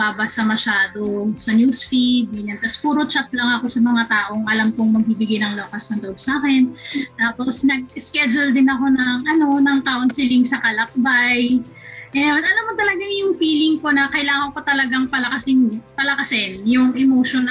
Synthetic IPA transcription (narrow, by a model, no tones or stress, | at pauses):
babɐsɐmɐʃaːd̪o̞sɐnjusfid̪̚inɐnt̪ɐspuːɾot͡ʃat̪̚lɐŋɐko̞sɐmɐŋat̪aːʔo̞ŋʔɐlamkoŋmɐɡ̚bibɪɡajnɐŋlokɐsnɐŋloʔob̚saːkɛnt̪aːpo̞snɐɡ̚ɪskɛd͡ʒʊld̪ɪnɐko̞nɐŋʔɐno̞nɐŋk̪aʔonsɪlɪŋsɐkɐlɐk̚baj | ɛd̪ɐlamːot̪ɐlɐɡaŋjʊŋfiːlɪŋko̞nɐkɐʔɪlaːŋɐnkot̪ɐlɐɡaŋpɐlɐkɐsɪŋpɐlɐkɐsɪnjʊŋʔɛmoʃon